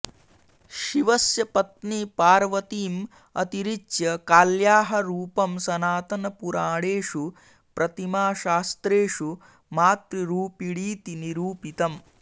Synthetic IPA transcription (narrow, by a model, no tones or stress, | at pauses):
ʃiʋɐsjɐpɐt̪̚nipaːɾʋɐt̪iːm | ɐ̰t̪iɾit͡ʃjɐkaːljaːɦɐɾuːpɐmsɐnaːt̪ɐnɐpuɾaːɽeːʂu | pɾɐt̪imaːʃaːst̪ɾeːʂu | maːt̪ɾiɾuːpiɽiːt̪iniɾuːpit̪ɐm